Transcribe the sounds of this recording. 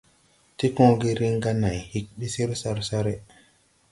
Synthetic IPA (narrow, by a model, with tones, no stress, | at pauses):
ti˦kõ˦ɡi˦ɾi˦ŋ˦ɡa˦na˨jhi˦k̚ɓi˦si˦ɾsa˦ɾsa˦ɾi˦